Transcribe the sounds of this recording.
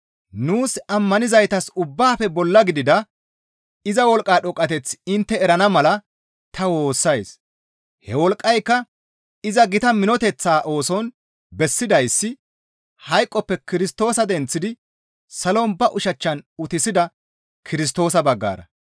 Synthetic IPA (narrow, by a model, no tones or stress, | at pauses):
nuːsɐmːɐnɪzɐjt̪ɐsʊbːaːfɛbɔlːɐɡɪd̪ɪd̪ɐ | ɪzɐwɔlkʼːaːɗɔkʼːɐt̪ɛt͡sɪnt̪ːɛɛɾɐnɐmɐlɐ | t̪ʰɐwo̞ːsːɐjs | hɛwɔlkʼːɐjkːɐ | ɪzɐɡɪt̪ɐmɪnɔt̪ɛt͡sːaːʔo̞ːsɔn | bɛsːɪd̪ɐjsːɪ | hɐjkʼːɔpːɛkɪɾɪst̪o̞ːsɐd̪ɛnt͡sːɪd̪ɪ | sɐlɔnbɐʔʊʃɐt͡ʃːɐnʊt̪ɪsɪd̪ɐ | kʰɪɾɪs̬t̪o̞ːsɐbɐɡːa̰ːɾɐ